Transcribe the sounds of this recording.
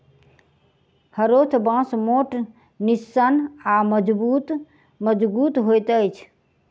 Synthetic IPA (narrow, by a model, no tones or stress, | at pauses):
həɾot̪ʰbãsmoʈ | nisːənaməd͡ʒbut̪ | məd͡ʒbut̪ɦojt̪əjt͡ʃʰ